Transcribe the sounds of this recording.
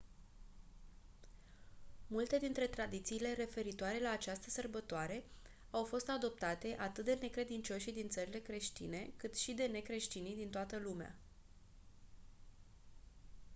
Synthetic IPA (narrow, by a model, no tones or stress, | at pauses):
mult̪e̞d̪int̪ɾe̞t̪ɾad̪it̪siːle̞ɾe̞fe̞ɾit̪oaɾe̞laːt͡ʃast̪əsərbət̪oaɾe̞ | awfo̞st̪ad̪o̞p̚t̪at̪e̞ʔat̪ɨt̪̚d̪e̞ne̞kɾe̞d̪int͡ʃo̞ʃid̪int̪səɾile̞kɾe̞ʃt̪ḭne̞kɨt̪ʃid̪e̞ne̞kɾe̞ʃt̪inid̪int̪oat̪əlumea̰